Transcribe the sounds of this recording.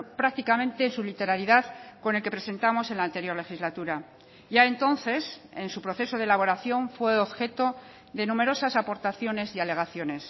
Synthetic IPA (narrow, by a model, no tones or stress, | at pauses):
pɾak̚t̪ikamẽnt̪e̞ːnsulit̪e̞ɾaɾiðaðko̞nelke̞pɾe̞se̞nt̪amo̞se̞nlaːnt̪e̞ɾjo̞ɾle̞xizlat̪uɾa | ʝae̞nt̪o̞nθe̞se̞nsupɾo̞θe̞so̞ðelaβ̞o̞ɾaθjo̞ɱfwe̞oβxe̞t̪o | ðe̞nume̞ɾo̞sasapo̞ɾt̪aθjo̞ne̞siale̞ɣaθjo̞ne̞s